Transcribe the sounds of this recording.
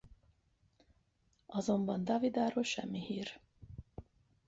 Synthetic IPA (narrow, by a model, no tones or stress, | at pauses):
ɒzo̞mbɒnd̪ɒːvid̪aːɾoːlʃɛ̰mːihiːr